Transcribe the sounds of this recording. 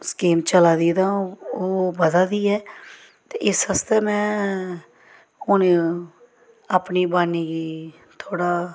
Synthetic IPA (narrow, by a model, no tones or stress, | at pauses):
skiːmt͡ʃəlaːd̪iːd̪aːũoːbəd̪aːd̪iːɦɛː | t̪eːʔɪshəst̪eːmɛ̃ː | ʊne | əpniːbaːniːki | t̪ʰoːɽaː